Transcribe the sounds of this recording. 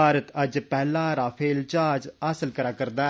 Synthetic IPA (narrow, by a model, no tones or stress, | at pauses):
aːɾət̪əd͡ʒpɛːlãːɾaːpʰeːlt͡ʃaːd͡ʒəsəlkəɾaːkəɾd̪aː